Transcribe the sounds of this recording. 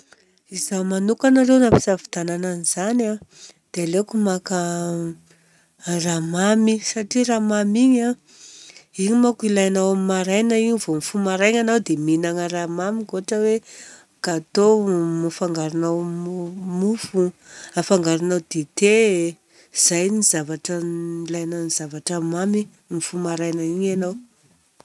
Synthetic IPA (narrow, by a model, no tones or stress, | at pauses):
izamanukanaɾewnapi̥zavi̥d̪anananiz̥ana | d̪̥ealekumaka | ramamisaʈ͡ʂiɾamamiɲa | iɲimakilajanawamimaɾajnaiɲivomifumaɾajɲanawd̪eminaŋəɾamamikoaʈ͡ʂəwe | kaːt̪omufaŋɡaɾunaw | mufuafaŋɡaɾunawd̪̥et̪e | z̥ajnizavaʈ͡ʂəilajnaniz̥avaʈ͡ʂəmami | mifumaɾajnəiɲanaw